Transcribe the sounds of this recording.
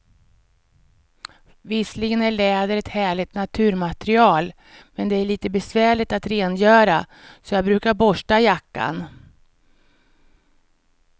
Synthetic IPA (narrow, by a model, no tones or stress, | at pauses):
vɪslɪɡənæɭɛːd̪əɾɛt̪hæːɭɪɡ̚t̪nat̪ʰʉ̟ːɾmat̪ɾɪɑːl | mɛnd̪ɛæɭiːt̪əbɛsvæːɭɪt̪at̪ɾeːnjœːɾa | sɔjɑːɡbɾʉ̟ːkaɾbɔʂʈajakːa̰n